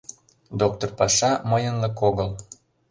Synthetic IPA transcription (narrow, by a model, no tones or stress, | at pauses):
d̪ok̚t̪orpɑʃɑməjə̆nlɤkoɣəl